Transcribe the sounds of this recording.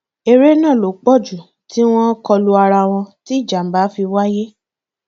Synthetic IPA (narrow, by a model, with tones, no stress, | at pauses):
e˧ɾe˦nã˦˨lo˨k͡pɔ˦˨d͡ʒu˨ | ti˦w̃ɔ̃˦kɔ˧lu˦a˧ɾa˧w̃ɔ̃˧ti˦i˦˨d͡ʒa˨m̩˨ba˨˦fi˧wa˦je˦